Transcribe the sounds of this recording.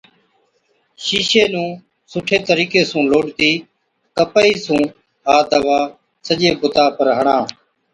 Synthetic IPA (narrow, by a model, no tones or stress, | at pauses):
ʃiːʃeːnũː | sʊʈʰeːt̪əɾiːkeːsũːloːʈt̪iː | kəpəiːsũː | ɦaːd̪əʋaː | səʄeːkʊt̪aːpəɾɦəɳãː